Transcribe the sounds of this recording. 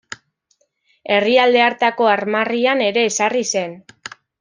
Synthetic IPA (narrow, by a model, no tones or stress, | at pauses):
e̞riald̪e̞aɾt̪ako̞aɾmariane̞ɾe̞ːsarise̞n